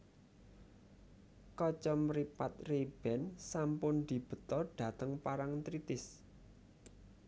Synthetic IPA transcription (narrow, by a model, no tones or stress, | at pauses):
kɔt͡ʃɔmɾipat̪̚reb̥ɛ̤nsampʊnd̪̥i̤b̥ə̤t̪ɔɖ̥ä̤t̪əŋpaɾaŋt̪ɾit̪ɪs